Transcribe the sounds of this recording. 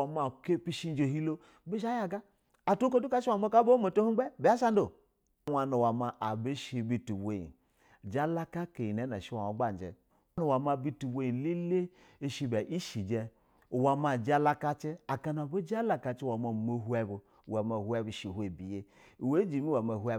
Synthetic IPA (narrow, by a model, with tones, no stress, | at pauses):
a˨ma˨ke˦pi˦ʃi˦n˦d͡ʒe˨ɦi˦lo˦ | bi˦ʃa˦ja˨ɡaː˦˨ | to˦ko˦du˦ka˦ʃi˦wa˨ma˦ka˦bo˦mo˨to˦hu˦ɡ͡bɛ˦be˨a˦ʃa˦n˦do˨˦ | wa˨nu˨wa˨ma˨ʔa˨bi˦ʃi˨bi˦tu˨we˨jḭ˨ | d͡ʒa˦la˦ka˦ke˨ji˨nɛ˨˦na˨ʃi˦wa˨ma˨˦ɡ͡ba˦˨n˨d͡ʒɛ̰˨ | nu˨wa˨ma˧bi˦tu˨be˦ji˨li˦le˦ | e˨ʃi˧bɛ˨ʔi˦ʃi˨d͡ʒɛ˧˨ | wa˨ma˨d͡ʒa˦la˦ka˦t͡ʃi˦a˨ka˦na˨bo˦d͡ʒa˦la˨ka˧t͡ʃi˦wa˨ma˨mo˨ɦu˦ɛ˨bu˨ | wa˨ma˨hu˦ɛ˦bi˨ʃi˨he˨bi˨je˦˨ | we˦d͡ʒi˨˦mi˦wa˨ma˨hu˦ɛ˦